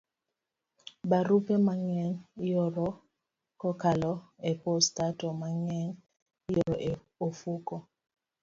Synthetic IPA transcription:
baɾupɛmaŋɛŋjɔɾɔ | kɔkalɔepɔstatɔmaŋɛŋ | jɔɾɔʔ | ofukɔ

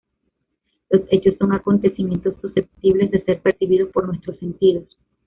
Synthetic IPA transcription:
lo̞se̞t͡ʃo̞sːo̞ŋako̞nt̪e̞simje̞nt̪o̞sːuse̞p̚t̪iβle̞zðe̞se̞ɾpe̞ɾsiβið̞o̞spo̞ɾnwe̞st̪ɾose̞nt̪iðo̞s

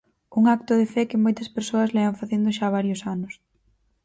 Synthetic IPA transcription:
uŋak̚t̪ʊð̞ɪfɛkɪmojt̪ɐspeɾsoɐzlɛβɐɱfaθend̪ʊʃaβaɾjʊsanʊs

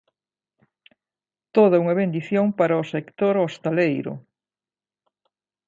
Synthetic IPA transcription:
t̪oðɐuŋɐβend̪iθjoŋpaɾɐosekt̪oɾost̪alejɾʊ̰

